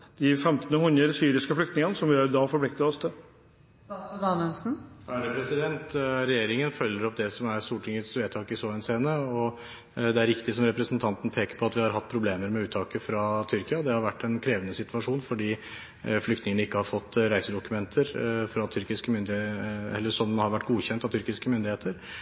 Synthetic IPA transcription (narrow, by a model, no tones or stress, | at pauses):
d̪̥ɪfɛmt̪nəhʉnəɾsyːɾɪskəflʏkt̪nɪŋənəsɔmjːɾd̪ɑːfɔɾbʰlɪk̚t̪əɔst̪ʰə | d̪ɑnəlsn̩ɾɛpʰɾɛsɪd̪ɛnt̪ɾɛjeːɾɪŋənfœljəɾɔp̚d̪ɛsɔmæɾst̪uːʈʰɪŋət̪sʋeːt̪ʰɑːkɪsoːɛnseːnəɔ | d̪ɛæɾʋɪkt̪ɪsɔmɾɛpɾəsnt̪ʰɑnt̪n̩pʰeːkəɾpʰɔɑt̪ʋɪhɑɾɦɑt̪̚ːpʰɾʊbleːməɾmɛʉːt̪ʰːɑːkəfɾɑt̪ʰʏɾkɪɑd̪ɛhɑɾʋæʈːɛnkʰɾeːʋənəsɪt̪ʋɑʂuːnfɔɖiː | flʏkt̪nɪŋənəɪkːəhɑɾfɔt̪ːɾæɪsəd̪ʊkʉmɛnt̪ʰəɾfɾɑt̪ʰʏɾkɪskəmʏnd̪ɪɛ̰lːəʂɔmhɑɾʋæʈːɡuːçɛnt̪ɑt̪ʏɾkɪskəmʏnd̪ɪheːt̪əɾ